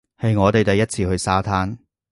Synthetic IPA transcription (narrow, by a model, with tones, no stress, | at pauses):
hɐ˨jŋɔː˨˧t̪e˨jt̪ɐ˨jɐ˥t̚t͡sʰiː˧hɵ˧ɥsaː˥t̪ʰaː˥n